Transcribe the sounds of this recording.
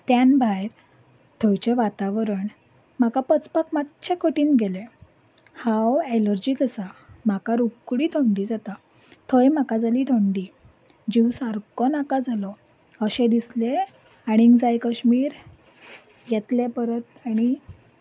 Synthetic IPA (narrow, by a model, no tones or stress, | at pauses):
t̪janbʱajɾ | t̪ʰəjt͡ɕeʋat̪aʋɾəɳ | m̤akapət͡spakmatt͡ɕʰẽkəʈiːnɡele | hãweləɾd͡ʑikəsam̤akaɾukɽit̪ʰɔɳɖiːd͡zat̪a | t̪ʰəjmakad͡zalit̪ʰɔɳɖi | d͡ʑiwsaɾkɔnakad͡zʱalɔ | əɕɛ̃d̪isle | aɽ̃iŋɡd͡zajkəɕmiːɾ | jɛt̪lepəɾət̪aɽ̃i